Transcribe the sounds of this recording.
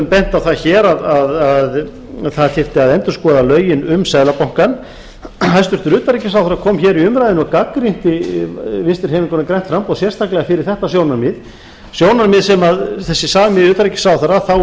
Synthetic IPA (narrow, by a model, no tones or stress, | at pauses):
ʏmpɛn̥t̪aθaðçɛːɾaðaðað | θaðt̪ʰɪft̪ɪaðɛnt̪ʏɾ̥skɔːðalœːɥjɪnʏmsaðlapawŋ̥kan | ɦajst̪ʏɾt̪ʏɾʏːt̪aɾicɪsawθaɾakʰɔːmçɛːɾiʏmɾajðɪnɔkakɾin̥t̪ɪvɪst̪ɪɾhɛːmɪŋkɔnakɾajn̥t̪fɾampowsjɛr̥st̪ʰaklɛɣafɪɾɪɾ̥θɛht̪asjownaɾmɪð | sjownaɾmɪðsɛmaðθɛsːɪsaːvɪmɪʏːt̪aɾicːɪ̥saːwθaɾaθaw